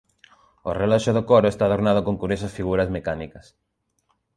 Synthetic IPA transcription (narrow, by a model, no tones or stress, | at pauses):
orelɔʃoðokoɾoest̪aːðoɾnað̞okoŋkuɾosɐsfiɣuɾɐzmekanikɐs